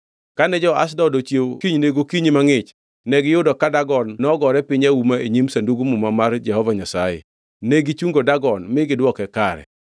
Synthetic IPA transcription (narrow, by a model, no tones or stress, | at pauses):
kanɛd͡ʒɔa̰s̬dɔdot͡ʃjekiɲneɡokiɲimaŋɪt͡ʃ | nɛɡɪjʊdɔkadaɡɔnːɔɡɔɾɛpɪɲaumaeɲimsanduɡumʊmamard͡ʒɛhɔvaɲasajɛ̰ | neɡit͡ʃuŋɡodaɡɔnmɪɡɪdwɔkɛkaɾɛ̰